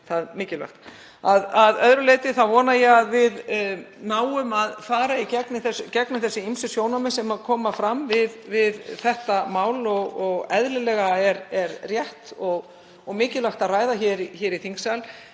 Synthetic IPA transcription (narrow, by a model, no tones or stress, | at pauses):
θaðmɪːcɪla̰xt̪ | aðaðœðɾʏleːjt̪ɪθavɔːnajɛɣaðvɪð | naːwʏmaðfaːɾaicɛknɪθɛscɛknɪθɛsːɪimsʏsjoːwnamɪsɛmaðkʰɔːmafɾamvɪðvɪðθɛht̪amaːwlɔɣɔɣɛðlɪlɛɣaɛɾɛɾrjɛht̪ɔɣ | ɔɣmɪːcɪlaxt̪aðraːjðaçɛːɾiçɛːɾiθiŋksal